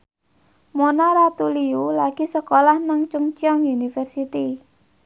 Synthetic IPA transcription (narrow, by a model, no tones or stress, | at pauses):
monaɾat̪uliulaɡ̥isəkolahnaŋt͡ʃuŋt͡ʃiɔŋunifɛrsit̪i